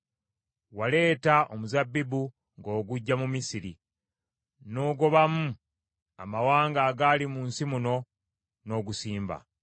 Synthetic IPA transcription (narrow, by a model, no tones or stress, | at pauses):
wale̞ːtaʔomuzabːibu | ŋɡo̞ːɡuɟːamumisiɾḭ | noːɡo̞βamu | a̰mawaːŋɡaːɡaːlimuːnsimuno̞ | no̞ːɡusiːmba̰